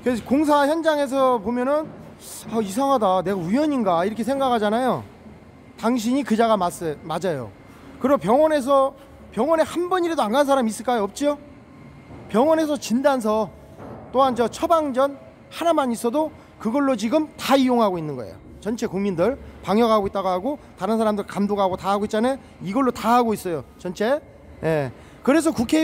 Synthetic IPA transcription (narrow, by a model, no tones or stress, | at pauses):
kekoŋs̬ʰaçjʌnd͡ʑaŋe̞s̬ʰʌpomjʌnɯn | ʌis̬ʰaŋɦadane̞ɡaujʌɲinɡaiɾʌkʰesʰe̞ŋɡakʰad͡ʑanajo | taŋɕ̬ʰiɲikɯd͡ʑaɣamas͈mad͡ʑajo̰ | kɯɾiopjʌŋwʌne̞s̬ʰʌ | pjʌŋwʌnehanbʌniɾedoanɡans̬ʰaɾamis͈ɯɭk͈ajoʌp̚t͡ɕ͈io | pjʌŋwʌne̞s̬ʰʌt͡ɕindans̬ʰʌ | t͈oɦand͡ʑʌt͡ɕʰʌbaŋd͡ʑʌn | hanamaɲis͈ʰʌdo | kɯɡʌɭːot͡ɕiɡɯmtaijoŋɦaɡoinːɯnɡʌḛjo̰ | t͡ɕʌnt͡ɕʰe̞kuŋmindɯɭpaŋjʌɡɦaɡoit͈aɡoɦaɡotaɾɯns̬ʰaɾamdɯɭkamdoɡaɡotaɦaɡoit̚t͡ɕane | iɡʌɭːotaɦaɡois͈ʌjot͡ɕʌnt͡ɕʰe̞ | je | kɯɾe̞s̬ʰʌkukʰe